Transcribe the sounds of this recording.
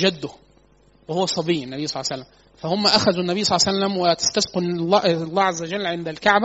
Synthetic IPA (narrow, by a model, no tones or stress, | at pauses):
ʒæd̪ːʊ | wehowːæsˤɑbiːenːæbijːsˤɑlːɑsælːæm | fæhomːæʔæxæzunːæbijːsˤɑlːɑsælːæmwet̪ḁst̪æsqenlːɑʔlˤːæːʕazːæwæd͡ʒælːʕend̪ælkaʕbæ